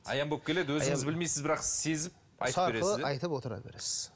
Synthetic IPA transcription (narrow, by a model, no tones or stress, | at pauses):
ɑ̰jɑmbop̚kʲʰele̞d̪wɵzŋɪzbɪlmejsɪzbɪɾɑqsɪz̥se̞zɪp̚ | ɑjt̪eɾəɪəzɑjt̪əpwo̞t̪əɾɑ̰bḛɾsz̥